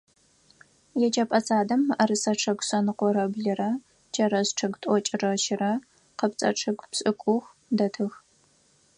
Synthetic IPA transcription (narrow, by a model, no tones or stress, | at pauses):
jɛt͡ʃʼɐpʼɐt͡sʼaːdɐmɐrɨsɐʈ͡ʂʰɐɡʷsɐnɨqʷɔɾɐbɮɨrɐ | t͡ʃʰɐɾɐzʈ͡ʂʰɐɡtʼɔt͡ʃʼɪrɐʃɪrɐ | qəpt͡sʼɐ̰ʈ͡ʂʰɐɡʷpɕʼɨkʷʼʊxʷ | dɐtʰɨx